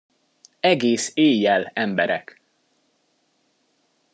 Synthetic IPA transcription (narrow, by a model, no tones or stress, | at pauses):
ɛɡeːseːjːɛlɛmbɛɾɛ̰k